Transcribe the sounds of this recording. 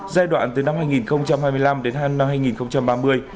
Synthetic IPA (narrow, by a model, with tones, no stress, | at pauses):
zaː˧jɗwa̰ː˧˨nt̪ɨ˨˩na˧mhaː˧jŋi˨˩nxə˧wŋ͡mt͡ɕa˧mhaː˧jmɨ˧əjla˧mɗe˨˦nɦa˧na˧mhaː˧jŋi˨˩nxə˧wŋ͡mt͡ɕa˧mɓaː˧mɨ˧əj